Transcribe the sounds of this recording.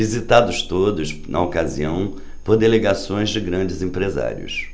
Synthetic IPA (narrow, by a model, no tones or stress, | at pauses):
vizit̪ad̪ʊst̪od̪ʊsnʔɐ̰okaziɐ̃w̃ | poɾd̪eleɡasõj̃zd͡ʒɪɡɾɐ̃d͡ʒɪzẽpɾeza̰ɾiʊ̰s